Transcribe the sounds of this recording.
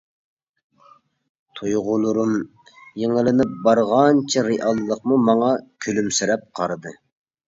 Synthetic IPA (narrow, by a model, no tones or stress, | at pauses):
t̪ʰujʁʊlˠʊɾum | jeŋɪlɪnɪp̚bɑɾʁɑnt͡ʃʰiɾeʔɑlˠːəqmumɑŋɑkʲʰølymsyɾɛp̚qʰɑɾɨd̪ɨ